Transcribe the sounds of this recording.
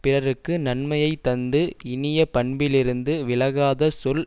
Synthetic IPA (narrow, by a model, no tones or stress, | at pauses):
pɪrɐɾɯkːɯnɐɳmɐjɐɪtt̪ːɐnd̪ɯɪnɪjɐpɐɳbɪlɪɾɯnd̪ɯʋɪlɐɣaːðɐsɔl